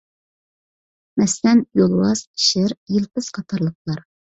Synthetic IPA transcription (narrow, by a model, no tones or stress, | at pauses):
mɛslɛnjolˠwɑz̥i̥ʃɪɾjilˠpɨz̥qʰɑt̪ʰɑɾlˠəq̚lˠɑɾ